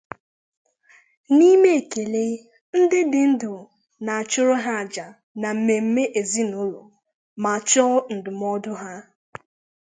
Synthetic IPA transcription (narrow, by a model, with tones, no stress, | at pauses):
ni˦me˦e˨ke˨le˦ | n̩˦dɪ˦dɪ˨n̩˦dʊ˨ | na˨a˨t͡ʃʊ˦ɾʊ˦ɦa˦a˨d͡ʒa˨ | na˨m̩˨me˨m̩˦me˦ʔe˨zi˦nʊ˦lo̰˨ | ma˨t͡ʃɔ˦n̩˨dʊ˨m˦ɔ˦dʊ˦ɦa˦